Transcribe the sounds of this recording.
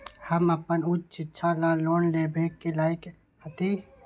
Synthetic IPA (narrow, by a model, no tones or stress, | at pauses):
həməpənʊt͡ʃːt͡ʃɪtːʃʰalaloːnlebʱeːkkelaːɪk | hət̪i